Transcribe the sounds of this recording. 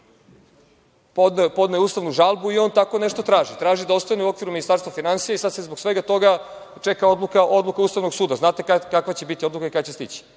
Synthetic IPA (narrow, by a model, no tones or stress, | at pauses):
po̞d̪naust̪aʋnuʒalˠbuio̞nt̪ako̞ne̞ʃt̪ot̪ɾaːʒit̪ɾaːʒid̪aost̪aneuo̞kʋiɾuminist̪aɾst̪vafinansijaisad̪sezboɡsʋeɡat̪o̞ɡa | t͡ʃekao̞d̪lˠukaʔo̞d̪lukauːst̪aʋno̞ɡsuːd̪aznaːt̪ekakakʋat͡ɕebit̪io̞d̪lukaikat͡ɕest̪it͡ɕi̥